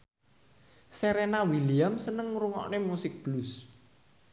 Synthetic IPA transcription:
sɛɾɛnawiliamsənəŋɾuŋɔ̰ʔnemusɪk̚b̥lus

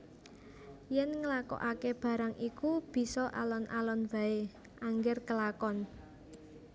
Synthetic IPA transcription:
jɛnŋəlakɔ̰ʔakeb̥ä̤ɾaŋʔikub̥i̤sɔʔa̰lɔnʔa̰lɔnb̥a̤e | ʔaŋɡɪrkəlakɔn

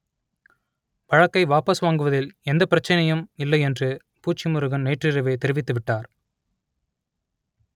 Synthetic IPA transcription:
ʋɐɻɐkːɐɪʋaːpɐsʋaːŋɡɯʋɐðɪlɛnd̪ɐpɪɾɐt͡ʃːɐnɐjɯmɪlːɐɪɛndrɯ | puːt͡ʃːimʊɾɯɣɐnneːʈrɪrɐʋeːt̪ɛɾɪʋɪt̪ːɯʋɪʈːaːɾ

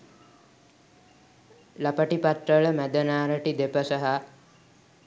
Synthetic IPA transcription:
lapəʈipat̪rəɭəmæd̪ənaːɾəʈid̪epəsəɦa

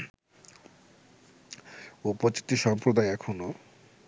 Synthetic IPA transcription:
upot͡ɕi̥t̪iʃɔmpɾod̪ajɛkʰono

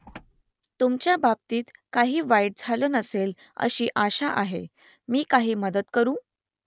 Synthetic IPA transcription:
t̪umt͡ɕjabab̚t̪iːt̪kaɦiːʋajɽd͡zʱaləːnəsel | ə̰ɕiːʔaɕaʔaɦḛ | miːkaɦiːməd̪ət̪kəɾũː

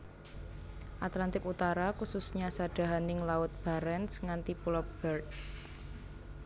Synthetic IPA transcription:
ʔat̪lant̪ɪkut̪aɾakususɲasaɖ̥a̤ɦanɪŋlaʊt̪̚b̥a̤ɾɛnsŋant̪ipulɔp̚b̥ɛrt̪̚

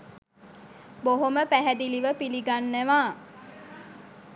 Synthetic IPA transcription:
boɦoməpæɦæd̪iliʋəpiliɡanːæʋaː

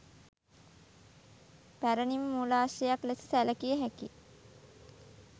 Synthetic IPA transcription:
pæɾənimːulaːʃejaklesi̥sæləkijəɦæki

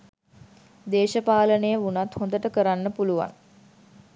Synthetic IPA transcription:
d̪eːʃəpaːlənejəunat̪hõnd̪əʈəkəɾanːəpuluʋa̰ŋ

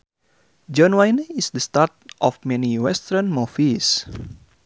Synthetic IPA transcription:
d͡ʒɔnwajnisdəst̪at̪̚ʔɔfmɛniwɛst̪ənmɔfis

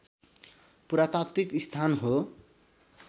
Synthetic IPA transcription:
puɾat̪akt̪ikist̪ʰanɦo

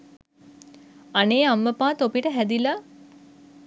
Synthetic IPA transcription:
aneːamːəpãːt̪opiʈəɦæd̪ila

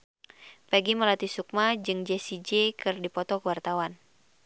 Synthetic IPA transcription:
pɛɡiməlat̪isuk̚mad͡ʒɨŋd͡ʒɛsid͡ʒɛkɨrdipɔt̪ɔkəwart̪awan

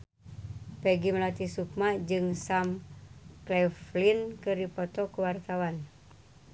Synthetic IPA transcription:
pɛɡimlat̪isuk̚mad͡ʒɨŋsamklɛflinkɨrdipɔt̪ɔkuwart̪awan

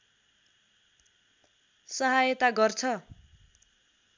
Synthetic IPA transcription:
sʌɦajʌt̪aɡʌrt͡sʰʌ

